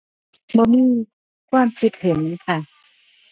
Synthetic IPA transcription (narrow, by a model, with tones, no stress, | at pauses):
bɔː˧niː˧˥˨ | kʰwaː˧˩˨mt͡ɕʰi˦˥t̪̚he˨˩˦n˧˦˥kʰa˥˩